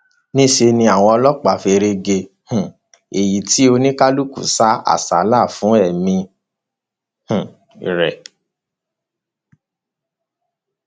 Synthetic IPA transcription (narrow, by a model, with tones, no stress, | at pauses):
nĩ˦ʃe˧nĩ˧a˨w̃ɔ̃˧ɔ˧lɔ˦k͡pa˨fe˧ɾe˧ɡe˧ | h̩˨ | e˨ji˨ti˨˦o˧nĩ˦ka˦lu˦kṵ˦˨sa˦a̰˦˨sa˨˦la˦˨fũ˨˦ɛ˦˨mĩ˧ | hũ˨ | ɾɛ˨